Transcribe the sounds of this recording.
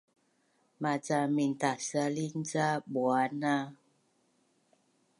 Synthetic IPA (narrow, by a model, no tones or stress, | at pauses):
mat͡samintasalin̩d͡zaɓwana